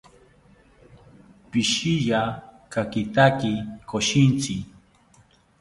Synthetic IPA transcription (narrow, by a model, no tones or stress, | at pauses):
pɪʃijakakɪt̪akikʰoʃɪnt͡sɪ